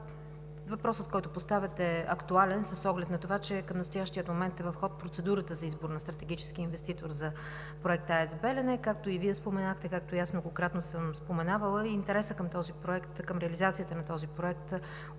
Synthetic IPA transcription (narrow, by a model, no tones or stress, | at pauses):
vɐpɾɔsət̪kɔjt̪oʊpost̪avʲɛt̪ɛɐ̰kt̪ualɛnsəsːɔɡlɛt̪nɐt̪ovat͡ʃɛkəmnəst̪ʊjaʃt̪iət̪momɛnt̪ɛvɐfxɔt̪̚pɾot̪sɛd̪uɾət̪əzɐizboɾnɐst̪ɾɐt̪ɛɡ̟it͡ʃɛ̥sk̟iinvɛst̪it̪oɾzɐ | pɾoɛk̚t̪aɛzbɛlɛnɛkak̚t̪oiviɛspomɛnaxt̪ɛkak̚t̪ʊiasmnoɡokɾat̪nosɤmspomɛnavəlˠəiint̪ɛɾɛsəkəmt̪ɔzipɾoɛkt̪kəmɾɛəlizat̪sijət̪ənɐt̪ɔzipɾoɛk̚t̪